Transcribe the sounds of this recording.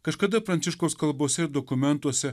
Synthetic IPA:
kɐʃkɐd̪ɐpɾɐnt̪sʲɪʃkoːskɐlˠbuɔsʲɛd̪ɔkʊmʲɛnt̪uɔsʲɛ

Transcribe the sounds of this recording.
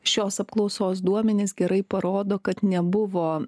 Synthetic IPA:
ʃʲoːsɐpklˠɒʊsoːsd̪uɔmʲɛnʲeːsɡʲɛɾɐɪpɐɾoːd̪oːkɐt̪nʲɛbʊʋoː

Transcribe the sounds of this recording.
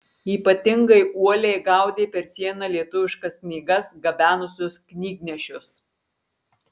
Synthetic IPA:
iːpɐt̪ʲɪŋɡɐɪʔuɔlʲeɪɡɑˑʊd̪ʲeːpʲɛɾsʲiɛnɐlʲiɛt̪ʊʋʲɪʃkɐsknʲiːɡɐsɡɐbʲæːnʊsʲʊsknʲiːɡnʲɛʃʲʊs

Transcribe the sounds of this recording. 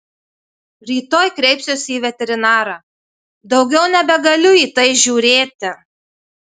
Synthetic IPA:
ɾʲiːt̪oːjkɾʲɛɪpʲsʲʊsiːʋʲɛt̪ʲɛɾʲɪnɑːɾɑː | d̪ɒʊɡʲɛʊnʲɛbʲɛɡɐlʲʊiːt̪ɐɪʒʲuːɾʲeːt̪ʲɪ

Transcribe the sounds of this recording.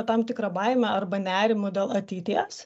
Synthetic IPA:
t̪ɐmt̪ʲɪkɾɐbɐɪmʲɛɐrbɐnʲæːɾʲɪmʊd̪ʲeːlˠɐt̪ʲɪt̪ʲiɛs

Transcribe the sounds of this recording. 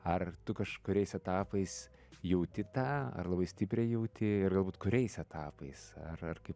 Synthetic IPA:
ɐrt̪ʊkɐʃkʊɾʲɛɪsɛt̪ɑːpɐɪs | jɛʊt̪ʲɪt̪ɑːɐ̰rlˠɐbɐɪsʲt̪ʲɪpʲɾʲɛːjɛʊt̪ʲɪɪrɡɐlˠbuːt̪kʊɾʲɛɪsɛt̪ʰɑːpɐɪsɐ̰rɐrkɐɪp

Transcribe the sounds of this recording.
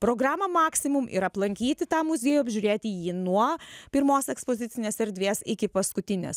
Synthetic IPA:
pɾoːɡɾɑːmɐmɑːksʲɪmʊmɪ̰ɾɐplˠɐŋʲkʲiːt̪ʲɪt̪ɑːmʊzʲeːjuɐbʲʒʲʊːɾʲeːt̪ʲɪjiːnuɔpʲɪɾmoːsɛkspoːzʲɪt̪sʲɪnʲeːsɛɾʲd̪ʲʋʲeːsɪkʲɪpɐskʊt̪ʲɪnʲḛːs

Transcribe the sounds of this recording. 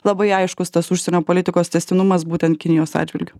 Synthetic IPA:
lˠɐbɐɪɐɪʃkʊst̪ɐsʊʃʲsʲɛnʲoːpoːlʲɪt̪ʲɪkoːst̪ʲɛsʲt̪ʲɪnʊmɐsbuːt̪ʲɛnt̪̚kʲɪnʲɪjoːsɑ̰ːdd͡ʒʲʋʲɪlʲɡʲʊ

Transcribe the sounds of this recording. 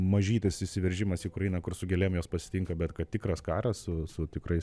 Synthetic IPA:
mɐʒʲiːt̪ʲɪsɪʃʲsʲɪʋʲɛɾʲʒʲɪmɐsiːkʊɾɐjinɐkʊrsʊɡʲɛlʲɛmjoːspɐsʲɪ̥t̪ʲɪŋkɐbʲɛt̪kɐt̪̚t̪ʲɪkrɐskɑːɾɐsssʊsʊt̪ʲɪkrɐɪs

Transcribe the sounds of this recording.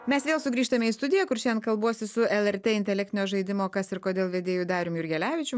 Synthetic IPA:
mʲɛsʋʲeːlˠsʊɡɾʲiːʃt̪ɐmʲɛiːst̪ʊd̪ʲɪjɛkʊɾʃʲnkɐlˠbuɔsʲɪsʊɛlˠɛɾʲt̪ʲeːɪnʲt̪ʲɛlʲæk̚t̪ʲɪnʲoːʒɐɪd̪ʲɪmoːkɐsɪɾkoːd̪ʲeːlˠʋʲeːd̪ʲeːjʊd̪ɑːɾʲoːmjʊɾʲɡʲɛlʲæːʋʲɪt͡ʃʲʊ

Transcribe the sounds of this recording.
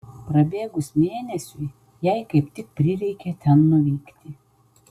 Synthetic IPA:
pɾɐbʲeːɡʊsmʲeːnʲɛsʲʊɪ | jɛɪkɐɪpt̪ʲɪk̚pʲɾʲɪɾʲɛɪkʲɛt̪ʲɛnːʊʋʲiːkt̪ʲɪ

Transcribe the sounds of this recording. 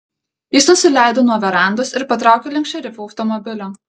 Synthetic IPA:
jɪsnʊsʲɪlʲæˑɪd̪oːnuɔʋʲɛɾɑˑnd̪osɪɾpɐt̪̬ɾɑˑʊkʲeːlʲɛŋkʃt͡ʃʲɛɾʲɪfuɐʊt̪ɔmɔbʲɪlʲoː

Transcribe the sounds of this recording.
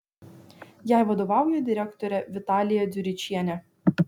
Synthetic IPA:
jæˑɪʋɐd̪oːʋɑˑʊjɛd̪ʲɪɾʲækt̪ɔɾʲɛʋʲɪt̪ɑːlʲɪjɛd̪ʲʊɾʲɪt͡ʃʲiɛnʲɛ

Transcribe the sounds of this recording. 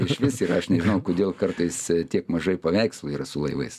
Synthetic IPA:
ɪʃʃʋʲɪsiːrɐɐʃnʲɛʒʲɪnɐʊkoːd̪ʲeːlˠkɐrt̪ɐɪst̪ʲiɛkmɐʒɐɪpɐʋʲɛɪkslˠuːiːɾɐsʊlˠɐɪʋɐ̰ɪs

